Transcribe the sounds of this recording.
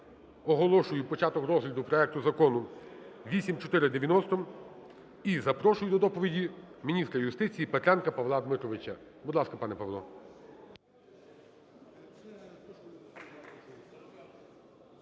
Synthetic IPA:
ɔɦɔlˠɔʃʊjʊpɔt͡ʃɑt̪ɔkɾɔzɦlʲid̪ʊpɾɔɛk̚t̪ʊzɐkɔnʊʋʲisʲimt͡ʃɔt̪ɪɾɪd̪eʋʲjɐnɔst̪ɔm | izɐpɾɔʃʊjʊd̪ɔd̪ɔpɔʋʲidʲimʲinʲist̪ɾɐjʊst̪ɪt͡sʲijipet̪ɾʲankɐpɐʋlˠɑd̪mɪt̪ɾɔʋɪt͡ʃɐbʊd̪lˠɑskɐpɑnɛpɐʋlˠɔ

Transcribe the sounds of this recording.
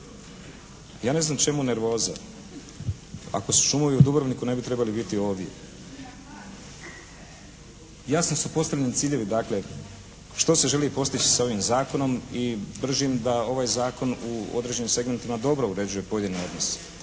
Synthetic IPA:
jaːne̞znamt͡ʃe̞mune̞ɾʋo̞ːza̰ | a̰ko̞su̥ʃumoʋiud̪ubɾʋnikune̞bit̪ɾe̞balibit̪io̞ːʋje̞̰ | jaːsnosupo̞st̪alʎʲenit̪siːʎe̞ʋid̪akle̞ | ʃt̪o̞se̞ʒe̞lipo̞st̪it͡ɕi̥sao̞ʋimzaːko̞no̞mibr̩ʒimd̪ao̞ʋaːjzaːko̞nuo̞̰d̪ɾe̞d͡ʑe̞nimse̞ɡme̞nt̪imad̪o̞bɾouɾe̞d͡ʑuje̞po̞je̞d̪inio̞d̪nos

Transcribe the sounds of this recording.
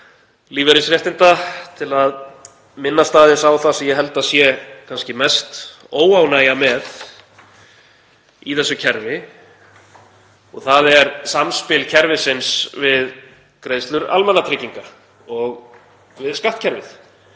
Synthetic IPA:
liːvɛɾɪsɾɛht̪ɪnt̪at̪ʰɪlað | mɪnːast̪aːðɪsawθasɛmjɛɦɛlt̪asjɛkʰanscɪmɛst̪ | oːwawnajamɛð | iθɛsːʏcʰɛɾvɪ | ɔɣθaðɛɾsamspɪlcʰɛɾvɪsɪnsvɪð | kɾeːjðst̪lʏɾa̰lmɛnːat̪ʰɾɪciŋka | ɔɣ | vɪðskaht̪̚cʰɛɾvɪθ

